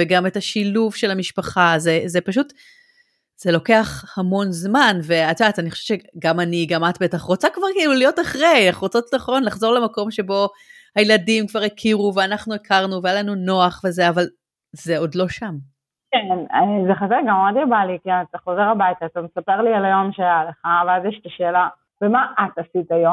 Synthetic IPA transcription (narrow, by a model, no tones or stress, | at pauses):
veɡametaʃiluvʃe̞lhamiʃpaχazezepaʃut | z̥elo̞ke̞aχhamo̞nzmanve̞at̪ataniχoʃevt͡ʃeɡamaniɡamatbe̞taχʁot͡sakvaʁkiilulijo̞taχʁe̞jaχʁot͡sotnaχo̞nlaχzo̞lemako̞mʃe̞bo̞ | hajeladimkvaʁikʰiʁuveanaχnuekʰaʁnuvejalanuno̞aχve̞zeaval | zeodlo̞ʃam | kenezeχazeʁɡamadjabalikiat̪aχozeʁabajtaːtamesapeʁlialajo̞mʃeajaleχaveazjɛʃt̪aʃeːla | vemaʔatasitajo